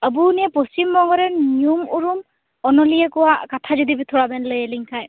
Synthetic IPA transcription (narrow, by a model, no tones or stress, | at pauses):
əbuniɛpost͡ʃimbɔŋɡɔɾɛnjumuɹum | ɔnɔlijɛkɔwakatʰazɔdibitʰɔɹabɛnlɯjɛliŋkʰaj